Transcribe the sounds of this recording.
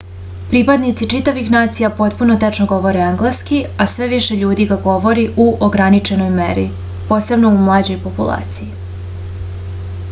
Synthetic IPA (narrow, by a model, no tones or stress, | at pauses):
pɾipad̪nit̪sit͡ʃit̪aʋixnaːt̪sijapo̞t̪puno̞t̪et͡ʂnoɡo̞ʋo̞ɾeaŋɡlˠaskiasʋe̞ʋiʃe̞ʎuːd̪iɡaɡo̞ʋo̞ɾiʔuʔoɡɾanit͡ʃeno̞jmḛɾḭ | po̞ːse̞bno̞umlˠaːd͡ʑo̞jpo̞pṵlˠa̰ːt̪siji